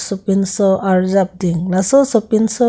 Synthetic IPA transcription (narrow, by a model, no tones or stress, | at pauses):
sɔpinsɔʔaɹzap̚diŋlasɔsɔpinsɔ